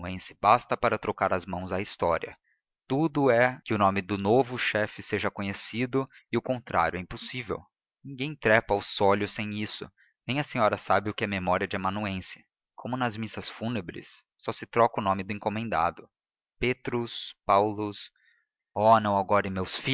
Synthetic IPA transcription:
ẽsɪ̥bast̪ɐpaɾɐt̪ɾʔokaɾɐzmɐ̃w̃zɐist̪ɔɾiɐ̰ | t̪ud̪ʊɛkɪʊnõmɪd̪ʊnovʊʃɛfɪseʒɐkõɲesid̪ʊ | ɪʊkõnt̪ɾʔa̰ɾjʊɛĩpʊsivḛw | nĩŋɡẽj̃t̪ɾɛpɐʊsɔʎʊsẽj̃isʊ̰ | nẽj̃ɐsẽɲɔɾɐsabɪʊkɪɛmemɔɾiɐd͡ʒɪamɐ̃nuẽsɪ̥ | kʰõmʊnɐzmisɐsfunebɾɪ̰sː | ɔsɪt̪ɾɔkɐʊnõmɪd̪ʊẽŋkomẽnd̪a̰d̪ʊ | pet̪ɾʊspawlʊs | ɔnɐ̃w̃aɡɔɾɪ̃mewsfi

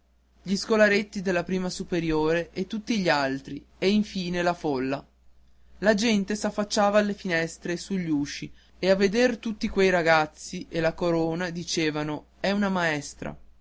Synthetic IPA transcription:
ʎiskolaɾet̪ːid̪elːapɾiːmasupeɾjoːɾeʔet̪ːut̪ːiʎialt̪ɾieiɱfiːnelafolːa | lad͡ʒɛnt̪esafːat͡ʃːaːvaːlːefinɛst̪ɾesuʎːuːʃi | eavːed̪ert̪ut̪ːikwejɾaɡat̪sːiʔelakoɾoːnad̪it͡ʃeːvano | ɛunamaɛst̪ɾa̰

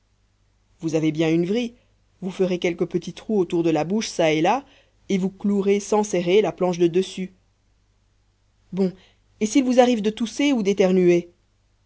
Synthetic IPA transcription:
vuzavebjɛ̃ynvʁi | vufəʁekʲɛlkəpət̪it̪χuot̪uʁd̪əlabuʃsaela | evukluʁesɑ̃sɛʁelaplɑ̃ʃd̪əd̪əsy | bɔ̃ | esilvuzaʁivd̪ət̪useud̪et̪ɛʁnye

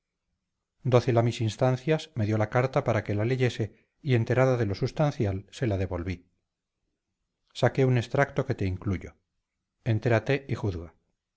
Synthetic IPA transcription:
d̪o̞θelamisinst̪an̟θjasme̞ðjo̞lakaɾt̪apaɾake̞lale̞ʝe̞se̞ | ie̞nt̪e̞ɾaðaðe̞lo̞sust̪anθjalse̞laðe̞βo̞lβi | sake̞une̞st̪ɾakt̪o̞ke̞t̪eiŋkluʝo̞ | ent̪e̞ɾat̪e̞ixuθɣa

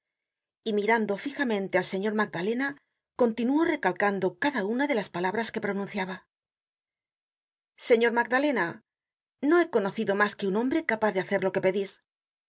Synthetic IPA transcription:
imiɾand̪o̞fixamẽ̞nt̪ealse̞ɲo̞ɾmaɡ̚d̪ale̞na | ko̞nt̪inuo̞re̞kalkand̪o̞kaðaunaðe̞laspalaβɾaske̞pɾo̞nũnθjaβa | se̞ɲo̞ɾmaɡðale̞na | no̞e̞ko̞no̞θiðo̞maske̞unõ̞mbɾe̞kapaθðeaθe̞ɾlo̞ke̞pe̞ðis

